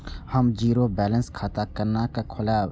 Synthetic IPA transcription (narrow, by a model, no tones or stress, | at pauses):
həmd͡ʒiːɾoːbɛːlə̃nskʰaːt̪akəɾnakakʰʊlaː